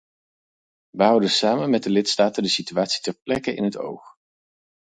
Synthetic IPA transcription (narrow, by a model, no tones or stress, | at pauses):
ʋəɦʌwdəsaːmənmɛt̚dəlɪtstaːtəndəsityaːtsi̥tɛɹplɛkəʔɪ̰nɦəto̰wχ